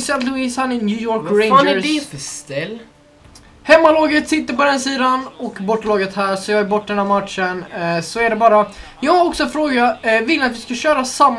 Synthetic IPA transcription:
sænt̪lʊisanɪnjʉːjɔɾkɾẽnd͡ʒst̪ɛl | hɛmːalɑːɡət̪sɪt̪ːəɾpɔd̪ɛnsiːd̪anɔkbɔʈːlɑːɡət̪hæːɾsɔjɑːɡɛɾbɔʈːd̪ɛnɦæːɾmat̪ʂənsɔæɖɛbɑːɾa | jɑːɡaɾɔksɔfɾoːɡavɪlːat̪vɪskaɕœːɾasamː

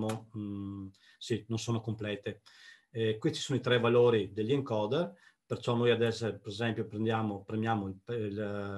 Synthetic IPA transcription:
mo | sinonsoːnokomplɛːt̪e | kwit͡ʃi̥soːnoit̪ɾɛvaloːɾid̪elːiŋkɔd̪ | peɾt͡ʃɔnojad̪ɛsepeɾezɛmpjopɾend̪jaːmopɾemjaːmol

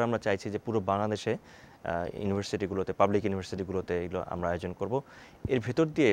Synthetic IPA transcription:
amɾat͡ɕajt͡ɕʰid͡ʑepuɾobaŋlad̪eʃe | jṵnibʱaɾsiʈiɡulot̪epablikjunibʱaɾsiʈiɡulot̪eeɡulo̰ʔa̰mɾaaeod͡ʑonkoɾbo | eɾbʱit̪oɾd̪ie

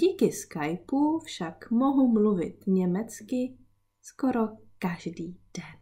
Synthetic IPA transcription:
ɟiːkɪskajpufʃakmoɦumluvɪ̰t̪ɲɛmɛt͡skɪ | skoɾo | kaʒdiːd̥ɛn

